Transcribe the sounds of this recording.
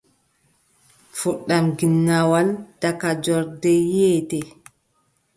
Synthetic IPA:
fuɗːamɡinːawald̥akad͡ʒɔɾdɛjɛːtɛ

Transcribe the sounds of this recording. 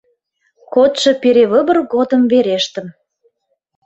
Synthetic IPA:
kot̪ʃɤ̆peɾeβəbərɣod̪ə̆mveɾeʃt̪ə̆m

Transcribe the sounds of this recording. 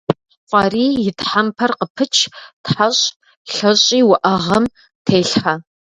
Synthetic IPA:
qʷʼɑriːjɪtħampʰɐrqəpʰɨt͡ʃʰtħaɕʼ | ɬɐɕʼiːwʊʔɐʁɐm | tʰeːɬħɐ

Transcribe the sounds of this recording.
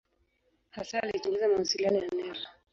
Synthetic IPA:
hasaːlit͡ʃɔŋɡɛzamawasilianɔjanɛɾa

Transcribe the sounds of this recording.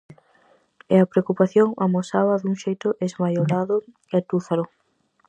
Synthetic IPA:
ɛɐpɾeokupaθjoŋamosaβɐðuŋʃejt̪ʊʔezmajoɾaðʊ | ɛt̪uθalʊ

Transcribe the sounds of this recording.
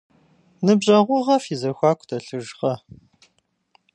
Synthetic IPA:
nɨbʑʼɐʁʷʊʁɐfiːzɐxʷaːkʷtʰɐɬɨʒʁɐ

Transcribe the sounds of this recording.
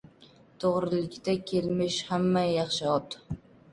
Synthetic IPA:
t̪ʰoʁɾɪlɪkʲt̪ʰakʲʰe̞lmɪʃhamːajɑχʃɪɒt̪

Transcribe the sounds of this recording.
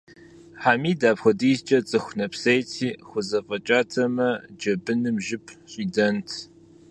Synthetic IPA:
ħaːmiːdaːpxʷɐdiːzt͡ʃʼɐt͡sʼɨxʷnɐpsejtʰiːxʷʊzɐfʼɐt͡ʃʼaːtʰɐmɐd͡ʒɐbɨnɨmʒɪpʰɕʼidɐntʰ

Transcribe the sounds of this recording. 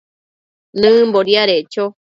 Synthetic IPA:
nɨ̃mboɾiaɾet͡ʃo

